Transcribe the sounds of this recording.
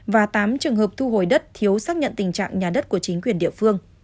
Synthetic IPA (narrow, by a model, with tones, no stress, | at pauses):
vaː˨˩t̪aː˨˦mt͡ɕɨ˨˩ŋɦəː˨˩p̚t̪ʰu˧ɦo˨˩jɗə˦˥t̚t̪ʰi˨˦əwsaː˦˥k̚ɲə̰˧˨nt̪ï˨˩ŋ̟t͡ɕa̰ː˧˨ŋɲaː˨˩ɗə˦˥t̚ku˧˩ət͡ɕï˨˦ŋ̟kwi˨˩ənɗḭ˧˨əfɨ˧əŋ